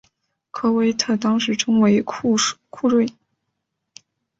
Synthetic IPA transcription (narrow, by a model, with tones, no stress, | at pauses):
kʰɤ˥we˥ɪt̪ʰɤ˥˩t̪ɑ˥ŋʂɻ̩˧˥ʈ͡ʂʊ˥ŋwe˧˥ɪkʰu˥˧ɻwe˥˩ɪ